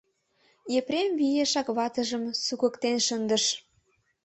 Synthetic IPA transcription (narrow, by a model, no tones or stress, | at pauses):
epɾemβijeʃɑkβɑt̪əʒəmsuɣə̆kt̪enʃənd̪əʃ